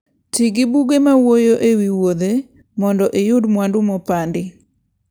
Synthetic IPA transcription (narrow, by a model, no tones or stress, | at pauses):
tiɡɪbuɡemawojoʔewiwod̪e | mɔndɔʔejʊdmwandʊmɔpandɪ